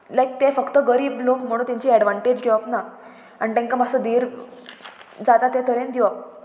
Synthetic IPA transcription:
lajk̚t̪efəkt̪əɡəɾiːblokm̤əɽũnt̪ãɲt͡ɕiːɛɽʋãɳʈed͡ʑɡʱɛʋakna | aɳit̪ɛ̃ŋkamasəd̪iɾ | d͡zat̪at̪et̪ʰəɾẽnd̪iʋak̚

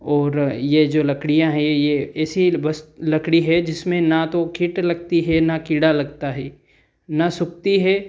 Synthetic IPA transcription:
ɔːɾjed͡ʒoːlɐkɽijãɦɛ̃jeɛːsibɐst̪lɐkɽiɦɛd͡ʒɪsmẽnat̪okʰɪʈlɐɡt̪iɦɛnakɪɽalɐɡt̪aɦɛː | nasʊk̚t̪iɦɛː

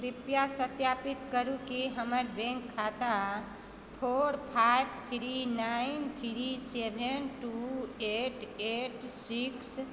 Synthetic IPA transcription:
ɾipjasət̪japit̪kəɾukiɦəməɾbɛ̃ŋkʰːat̪a | pʰoɾpʰaɪb̚ʰt̪ʰɾinaint̪ʰɾisebʱenʈueʈeʈsiks

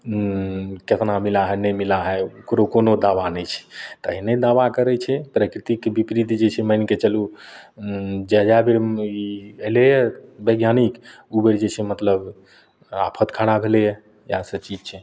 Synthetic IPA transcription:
ket̪namilaɦɛnəjmilaɦɛukɾokonod̪aʋanɛjt͡ʃʰɛ̥t̪əɦinɛd̪aʋakəɾɛt͡ʃʰɛpɾəkɾit̪ikbipɾit̪d͡ʒet͡ʃʰɛməjnket͡ʃəlu | d͡ʒəd͡ʒabeɾielɛjəbəɡjanikubeɾd͡ʒet͡ʃʰemət̪ləb | a̰pʰət̪kʰaɽabʱelɛjə | jasət͡ʃid͡ʒt͡ʃʰɛ

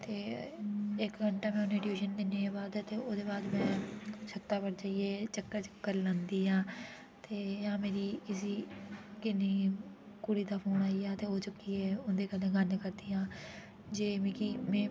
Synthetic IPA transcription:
t̪eː | ɪkɡʱəɳʈaːmɛ̃ːʊnẽːɖʋuːʃənd̪ɪneːaːbaːd̪t̪eːoːd̪eːbaːd̪mɛ̃ːsət̪ːaːpəɾd͡ʒaːieːt͡ʃəkːəɾt͡ʃəkːəɾlãːnd̪iːɦãː | t̪eːɦãːmeːɾiːkɪsiːkɪniː | kʊɽiːd̪aːpʰoːnaːiːaːt̪eːɦoːt͡ʃʊkːiːɛːʊnd̪eːkəd̪ẽːɡənkəɾd̪iːɦãː | d͡ʒeːmikiːmɛ̃ː

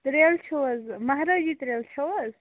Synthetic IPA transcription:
t̪ɾelt͡ʃʰɐwɐzmɐɦɾad͡ʒit̪ɾelt͡ʃʰɐwɐz

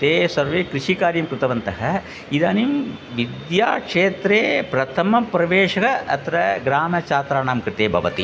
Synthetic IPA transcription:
t̪eːsɐɾʋeːkɾiʂikaːɾjɐmkɾɪt̪ɐʋɐnt̪ɐɦɐ | id̪aːnim | ʋid̪jaːkʂeːt̪ɾeːpɾɐt̪ʰɐmɐpɾɐʋeːʂɐkɐɐt̪ɾɐɡɾaːmɐt͡ʃaːt̪ɾaːnaːmkɾɪt̪eːbʱɐ̰ʋɐ̰t̪i

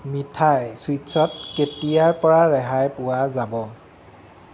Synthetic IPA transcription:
mitʰajswisɔt̚ketijaɹpɔɹaɹɛɦajpʊwazabɔ

